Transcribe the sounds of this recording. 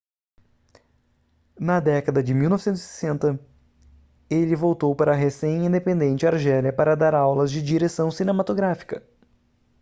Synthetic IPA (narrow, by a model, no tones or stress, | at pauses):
nɐd̪ɛkɐd̪ɐd͡ʒɪmiwnɔvɪsẽt̪ʊzsise̥sẽnt̪ɐ | elɪvowt̪owpaɾɐɦesẽj̃ĩnd̪epẽnd̪ẽnt͡ʃɪaɾʒɛljɐpaɾɐd̪aɾawlɐzd͡ʒɪd͡ʒiɾesɐ̃w̃sinẽmat̪oɡɾafi̥kɐ